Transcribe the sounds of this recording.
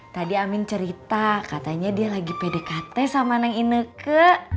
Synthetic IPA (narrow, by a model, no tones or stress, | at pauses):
t̪adiamɪnt͡ʃəɾit̪akat̪aɲadialaɡipedekat̪ɛsamanaŋinəkə